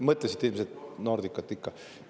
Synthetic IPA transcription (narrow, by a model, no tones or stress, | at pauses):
mɤt̪lesit̪ilmset̪nord̪ikːɑt̪ˑːikːɑ